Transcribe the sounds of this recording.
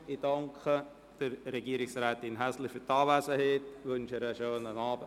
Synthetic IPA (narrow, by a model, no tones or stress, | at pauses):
idɑŋkʰə | d̥əɾrɛɡiːəɾɪksɾɛːtɪnɦæslɪfyɾtɑːvæsəheːtʋʏnʃəɾəʃøːnənɑːbə